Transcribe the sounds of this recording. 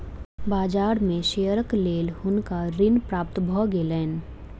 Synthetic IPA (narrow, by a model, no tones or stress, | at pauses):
baːd͡ʒaːɾmẽʃeːjəɾəkleːlɦʊnkaɾɪnpɾaːp̚t̪bʱɔːɡeːlɛːn